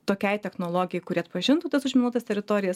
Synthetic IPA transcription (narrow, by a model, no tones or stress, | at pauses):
t̪oːkʲɛɪt̪ʲɛxnoːlˠoːɡʲɪjɛɪkʊɾʲiːɐt̪pɐʒʲɪnt̪uːt̪ɐsʊʒʲmʲɪnuːt̪ɐst̪ʲɛɾʲɪt̪oːɾʲɪjɛs